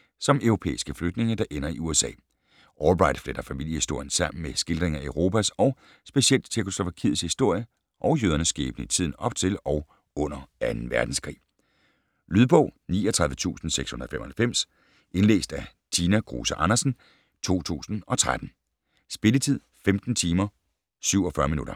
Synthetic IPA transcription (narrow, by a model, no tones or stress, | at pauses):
sɒ̽mœʊʁo̝pʰḛːisɡ̥əfløɡ̥̚d̥ne̝ŋəd̥ɑ̈ʔenɐiuesɛ̰ː | ʔɒlb̥ʁɑ̈ɪd̥fleɾ̥ɐfæmil̰jəhisd̥o̝ɐ̰jənsɑ̈m̰n̩mesɡ̥e̝ld̥ʁeŋæøʊʁo̝ːpʰæsɒ̽ʊ | sb̥e̝siel̰d̥t͡sʰeɐkʰo̝slo̝ʋæ̈kʰiðˠshisd̥o̝ɐ̰jə | ʔɒ̽ʊjøð̞ˠɐnəsɡ̥ḛːb̥n̩əit͡sʰið̞̰ˠn̩ɒ̽b̥̚t͡sʰe̝lɒ̽ʊ | ɔ̽n̰ɐænn̩ʋæɐd̥n̩skʰʁḭː | lyðˠb̥ɔ̰ʊ̰niːɒt͡sʰʁɑ̈ðˠʋət͡sʰṵːsn̩seɡ̥shu̝nɐð̩ˠfemɒhælfem̰s | ʔe̝nlḛːsd̥æ | t͡sʰiːnæɡ̥ʁo̝ːsəʔɑ̈nɐsn̩ | t͡sʰo̝̰ːt͡sʰṵːsn̩ɒ̽t͡sʰʁad̥n̩ | sb̥e̝lət͡sʰið̞̰ˠfemd̥n̩t͡sʰiːmɐ | syʊ̰ɒ̽fɶɐminuɾ̥ɐ